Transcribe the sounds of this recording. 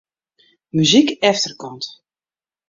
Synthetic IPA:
myzikɛftərkɔnt

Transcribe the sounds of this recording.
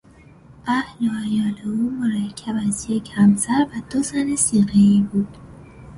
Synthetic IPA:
ʔæhloæjɒːleuːmoɾæcʰːæbæzje̞cʰhæmsæɾvæd̪ozænesiːɣeiːbuːd̪̥

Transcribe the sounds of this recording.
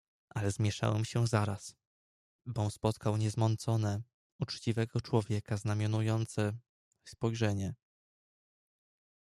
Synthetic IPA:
ʔalɛzmʲjɛʂa̰wɛmɕɛzaɾas | bɔ̃spɔt̪kawɲɛzmɔnt̪sɔnɛ | ut͡ʂt͡ɕivɛɡɔt͡ʂwɔvʲjɛkaznamʲjɔnujɔnt̪sɛ | spɔjʐɛɲɛ

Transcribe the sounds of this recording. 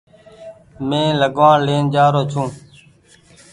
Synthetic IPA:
mẽːləɡʋaːɳleːnd͡ʒaːɾoːt͡ʃʰũː

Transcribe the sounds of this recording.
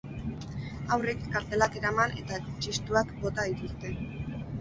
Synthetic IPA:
awrekːaɾt̪e̞lake̞ɾamane̞t̪aekot͡ʃist̪uakbo̞t̪að̞it̪ust̪e̞

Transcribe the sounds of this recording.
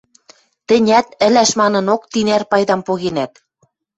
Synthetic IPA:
t̪ɘ̆nʲæt̪ɘ̆læʃmɑnɤ̆nok̚t̪inærpɑjd̪ɑmpoɣenæt̪

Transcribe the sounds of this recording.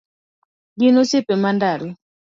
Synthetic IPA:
ɡinosɪpɛmandaɾi

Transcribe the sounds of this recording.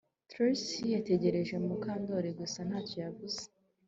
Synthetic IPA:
tɾosijate̞ɟe̞ɾe̞ʒe̞umukaːndo̞ɾeɡusan̥haːtco̞javuze̥

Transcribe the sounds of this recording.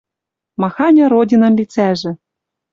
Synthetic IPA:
mɑxɑnʲɤ̆ɾodʲinɤ̆mlʲit͡sæʒɘ̆

